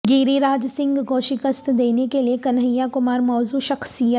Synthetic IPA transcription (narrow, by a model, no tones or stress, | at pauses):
ɡiːɾiɾaːd͡ʒsɪ̃ŋɡkoʃɪkəst̪d̪eːnekeliekɐnɦəjːakʊmaːɾmɔːzuʃɐxsijə